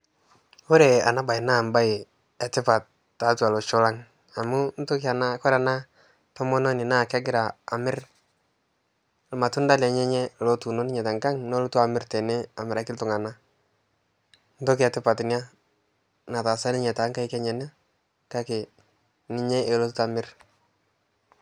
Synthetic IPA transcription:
o˦ɾe˨a˨na˦ba˨ɪ˨na˦˨mba˦ɪ˨ | ɛ˨tɪ˦pa˨tː | a˨˦twa˨lɔ˨t͡ʃɔ˦la˦ŋ | a˨mu˦n˦tʊ˦ki˦a˨na˦kɔ˦ɾa˨na˦ | tɔ˦mɔ˦nɔ˦nɪ˨na˦˨ka˦ɡɪ˦ɾaː˨mɪ˦ɾ | lma˨tu˦nda˦lɛ˨ɲɛ˦ɲɛ˦lɔ˦tu˨nɔ˦nɪ˦ɲɛ˨ta˨ŋka˦ŋnɔ˦lɔ˦tu˦a˨mɪ˦rtɛ˨nɛ˦a˨mɪ˨ɾa˨kɪ˦tʊ˨ŋa˨na˦ | n̩˦tɔ˦kɛ˨tɪ˦pa˨tnja˦ | na˨ta˨sa˦nɪ˦ɲɛ˨ta˨˦ŋka˦ɪ˦kɛ˦ɲɛ˨na˦ | ka˦ke˨ | nɪ˦ɲɛ˦ʔe˨lɔ˦tu˦ta˨mɪ˦r

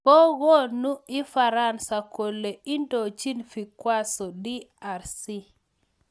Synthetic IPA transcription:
ɔ˦ɣo˦nu˦i˦fa˨ɾa˦˨nsa˨ko˨lːe˨i˦ndo˨t͡ʃi˦nfi˨kwa˦sɔ˨di˦a˨ɾsi˦

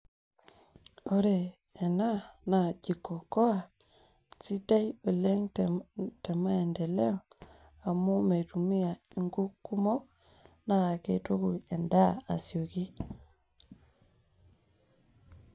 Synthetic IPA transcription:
o˦ɾeː˨ | na˦na˨ɟi˨kɔ˨kɔ˦a˨ | t͡si˦da˦i˦o˨lɛ˦ŋ | tɛ˨ma˦ɛ˨ndɛ˨lɛ˦ɔ˨ | a˨mo˦me˨tu˨mi˦a˨i˨ŋɡu˦ku˦mɔ˦ | naː˦˨ke˨to˦ku˨ɛ˨nda˦˨a̰˨sjo˨ki˦

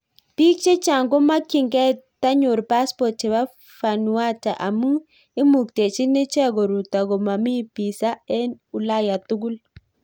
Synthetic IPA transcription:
ti˦k̚t͡ʃe˦t͡ʃa˨ŋɡo˦ma˦ki˨ŋɡɛ˦ta˦ɲʊ˨ɾpa˦spɔ˨t͡ʃe˨ba˦ | fa˨nu˨wa˦ta˨ʔa˨mu˦ | e˦mu˨k̚te˨t͡ʃi˦nɪ˦t͡ʃɛ˦ɡo˨ɾu˨t̪a˨ɡɔ˨ma˨mɪ˦pi˨sa˦ɛ˦nu˨la˦ja˨t̪u˦ɡu˦l

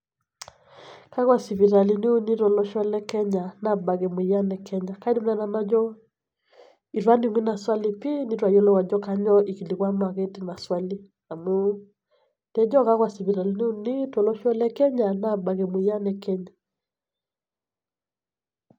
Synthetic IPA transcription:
ka˦ɣwa˨si˨vi˨ɾa˨li˨ni˦u˦ni˦tɔ˨lɔ˦ʃɔ˦lɛ˦kɛ˦ɲa˨na˨ba˨ɣɛ˨mwi˨˦a˦nɛ˨kʰɛ˦ɲa˨ka˦i˦di˦m˦a˨˦na˨na˦d͡ʒɔ˦ | i˨ɾwa˦ni˨ŋwi˦na˨swa˦li˨pi˦ni˦ɾwa˨jɔ˦lɔ˦wa˨d͡ʒɔ˦ka˦ɲɔ˦ʔi˨ki˨li˨ɣwa˦ma˨ɣe˦ti˦na˨swa˦li˦ | a˨mu˦ | tɛ˦d͡ʒɔ˦ka˦ɣwa˨si˨vi˨ɾa˨li˦ni˦u˦ni˦tɔ˨lɔ˦ʃɔ˦lɛ˦kɛ˦ɲa˨na˨ba˨ɣɛ˨mwu˨ja˦nɛ˨kɛ˦ɲa˨

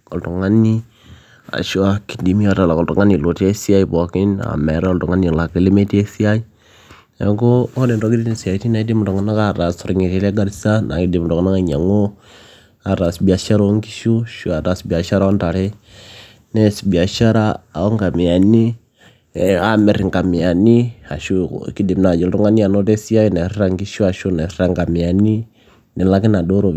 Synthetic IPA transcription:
kɔ˨tɔ˨ŋa˦ni˦ | a̰˨ʃu˦a˨ki̥˨di˨mi˦a˨ta˨la˨kɔ˨ltʊ˨ŋa˦ni˨lo˨te˦si˦a˦i˨bɔ˨kɪ˦na̰˨mɛ˨ɾɔ˦ltʊ˨ŋa˦ni˨la˨ki˨li˦me˦te˦si˦a˦i˦ | ɛ˨ko˦ɔ˦de˨ɾɔ˦ki˦di˦ni˦si˨a˨˦ti˦na˦i˦di˦mʊ˨tɔ˨ŋa˦na˦ka˦ɾa˨sɾŋe˨te˨˦le˦ɡa˦ɾsa˦na̰˨di˨m˨tɔ˨ŋ˨na˦ka˦ɲa˨ŋo˦ | a˨ɾa˨sbi˨a˨ʃa˦ɾo˦ŋɡi˦ʃu˦ʃu˨a˨ɾa˨sbi˨a˨ʃa˦ɾa˦ɔ˦nta˨ɾe˦ | nɛ˦sbi˨a˨ʃa˦ɾa˦˨ɔ˦ŋɡa˨mi˨a˨ni˦˨ | a˦me˨ɾi˨ŋɡa˨mi˨a˨ni˦a˨ʃṵ˦˨ki˦di˨mna˨d͡ʒe˨lɾo˦ŋɡa˦ni˦a˨no˦te˦si˦a˦i˦na˨ɾi˦ɾa˦˨ŋɡi˦ʃu˦a˨ʃu˦na˨ɾa˨ŋɡa˨mi˨a˨ni˦ | ne˨la˦ki˦na˨do˦ɾo˨

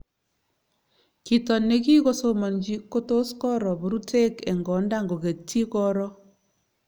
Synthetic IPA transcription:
ki˨tɔ˨ne˦ki˦ko˦so˦mɔ˨nd͡ʒi˦kːo˦to˦skɔ˦ɾɔ˨bo˨ɾu˦tʰe˦kɛ˨ŋɡɔ˨˦nda˦˨ŋɡo˨ɣe˨tːi˦kɔ˦ɾɔ˦

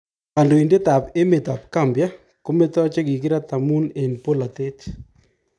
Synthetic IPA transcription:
ka˨ndo˨i˨nde˦t̪a˨pe˦me˨t̪a˨pka˦mbja˦ | ko˦mɛ˦t̪ɔ˦t͡ʃe˦ki˨k̬ɪ˦ɾa˦t̪a˨mu˦nɛ˨npo˦la˨t̪e˦t

